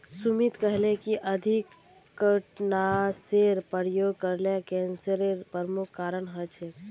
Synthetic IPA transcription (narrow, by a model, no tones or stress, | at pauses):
sumit̪kəɦlekiʔəd̪ʱikː | əʈnaseɾpəɾjoːɡkəɾlekɛ̃ːnsəɾeɾpəɾmukʰkːaːɾənɦət͡ʃʰe